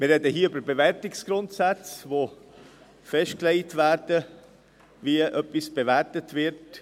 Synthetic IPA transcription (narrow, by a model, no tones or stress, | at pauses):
mɪrːɛd̪əhiːəʏbəɾbeʋɛɾtɪksɡ̥ɾʊntsæt͡sʋo | fɛʃt̚kleɪtʋæːɾd̥ə | viəʔœpːisb̥eʋæɾtətʋɪɾt